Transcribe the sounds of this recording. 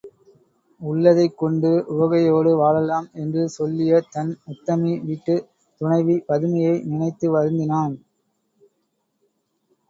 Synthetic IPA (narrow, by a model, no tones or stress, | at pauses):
ʊɭːɐðɐɪkːɔɳɖɯʔʊʋɐɣɐjoːɽɯʋaːɻɐlaːmɛndrɯsɔlːɪjɐt̪ɐnʊt̪ːɐmiʋiʈːɯ | t̪ʊɳɐɪʋipɐðɯmɐjɐɪnɪnɐɪt̪ːɯʋɐɾɯnd̪ɪnaːn